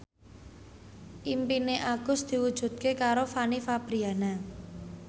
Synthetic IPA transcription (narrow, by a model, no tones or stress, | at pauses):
ʔimpineʔaɡ̥ʊ̤sd̪̥i̤wud̥ʒ̥ṳt̪̚kekaɾofanifab̥ɾiana